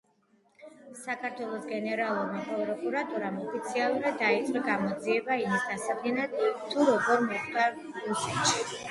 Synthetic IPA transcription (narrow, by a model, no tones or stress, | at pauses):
sakʰaɾt̪ʰwɛlˠɔsɡɛnɛɾalˠuɾmapʼɾɔpʼɾɔkʼuɾat̪ʼuɾamɔpʰit̪sʰialˠuɾad̪̚ːait̪sʼɛɡamɔd̪ziɛbaimisd̪asakʰlɛnad̪̥ʰːuɾɔɡɔɾmɔχd̪̥a | ɾusɛt̪ʃi